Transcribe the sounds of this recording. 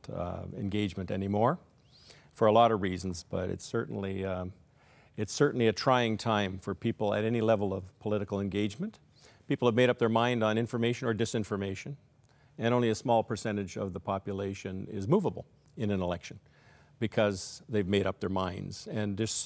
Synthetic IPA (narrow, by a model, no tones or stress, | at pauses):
ɨ̰̃nɡeɪd͡ʒmɨ̃ntɛ̰nimɔɹ | fə˞əlɔɾʌvɹizn̩zb̥ʌɾɨ̰tsɜ˞ʔn̩li | ɨtsɜ˞ʔn̩liɨtʰɹ̥aɪɪ̃ŋtʰãɪ̃ɱfə˞pʰipl̩ˠɨ̰ɾɛnilɛvl̩ˠʌv̥pʰəlɪɾɨkl̩ˠɨ̃nɡeɪd͡ʒmɨ̃nt | pipl̩ˠəvmeɪɾʌp̚ðə˞mãɪ̃ndn̩ɪ̃ɱfə˞meɪʃɨ̃nə˞dɨsɪ̃ɱfə˞meɪʃɨ̃n | ɨ̃nɾõʊ̃nliɨsmɔlˠpʰə˞sɛ̃ɾ̃ɨd͡ʒʌ̰vðəpʰɑpjɨleɪʃɨ̃nɪ̰zmuvəbl̩ˠ | ɨ̃nɨ̃nəlɛkʃɨ̃n̩ | bɨkʰʌzðeɪvmeɪɾʌp̚ðə˞mãɪ̃ndz̥ɨ̃ndɨs